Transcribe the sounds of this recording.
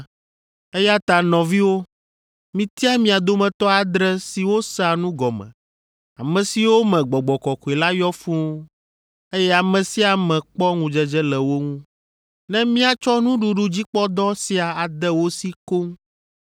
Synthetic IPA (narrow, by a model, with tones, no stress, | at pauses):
e˦ja˦t̪a˨nɔ̃˨vi˦wo˦ | mĩ˨t̪i˦a˦mĩ˦a˨d̪o˦mɛ̃˨t̪ɔ˦a˨d̪ɾɛ˦si˨wo˦sa˨nũ˦ɡɔ˨mɛ̰̃˨ | a̰˨mɛ̃˨si˨wo˦mɛ̃˨ɡ͡bɔ˨ɡ͡bɔ˨kɔ˨ku˨e˨la˦jɔ˦fũ˦ | e˦jɛ˦a˨mɛ̃˨si˦a˨mɛ̃˨k͡pɔ˦ŋũ˨d͡ʒɛ˦d͡ʒɛ˦lɛ˨wo˦ŋũ˦ | nɛ̃˦mĩ˦a˨t͡ʃɔ˦nũ˦ɖu˨ɖu˨d͡ʑi˦k͡pɔ˦d̪ɔ˦si˨a˨a˨d̪ɛ˦wo˦si˦ko˦ŋ